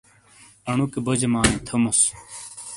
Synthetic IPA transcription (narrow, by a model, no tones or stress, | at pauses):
ɐɳ̃ukebod͡ʑemaːnĩt̪ʰomos